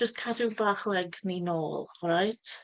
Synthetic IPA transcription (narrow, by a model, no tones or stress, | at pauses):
d͡ʒəstkʰadubaːχlˠɛɡninoːlˠɔɾajtʰ